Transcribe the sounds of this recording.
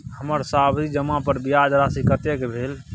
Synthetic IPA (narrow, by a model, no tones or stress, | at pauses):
həməɾsabd̪id͡ʒəmapəɾbijad͡ʒɾasikət̪ekebʱel